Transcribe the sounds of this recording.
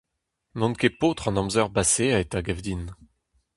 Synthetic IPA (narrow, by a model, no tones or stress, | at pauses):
nɔ̃nkepot̪χɑ̃nɑ̃mzœʁbaseaet̪aɡavd̪in